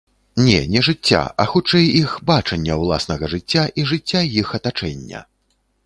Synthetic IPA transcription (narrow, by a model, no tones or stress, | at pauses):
nʲɛ̰nʲɛʐɨt͡sʲːa̰ʔɐxut͡ʂɛjixbat͡ʂɐnʲːɐwlˠa̰sn̪ɐɣɐʐɨt͡sʲːaʔiʐɨt͡sʲːajixɐt̪at͡ʂɛnʲːɐ̰